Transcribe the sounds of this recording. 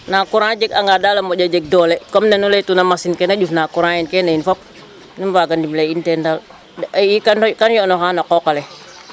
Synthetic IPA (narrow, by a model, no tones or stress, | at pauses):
nakuɾãd͡ʒɛkaŋɡadalamɔɟad͡ʒɛk̚dɔlɛkɔmnenulɛtunamasinkɛnaɟufnakuɾãinkɛnainfɔp̚ | nimbaɡandimlɛintɛndal | ikakanjɔnɔxanakɔkalɛ